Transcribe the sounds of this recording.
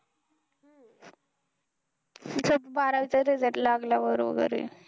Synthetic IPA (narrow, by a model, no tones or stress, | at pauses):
səbbaɾaʋit͡sat̪ed͡zaʈ̪laɡlaʋəɾʋə̰ɡə̰ɾḛl